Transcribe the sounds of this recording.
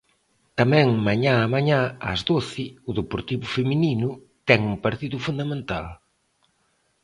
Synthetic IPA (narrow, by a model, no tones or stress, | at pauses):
t̪amɛ̃ŋmaɲãamaɲãa̰zðoθɪʊðepoɾt̪iβʊfemininʊ | t̪ɛŋuŋpaɾt̪iðʊfund̪amẽnt̪al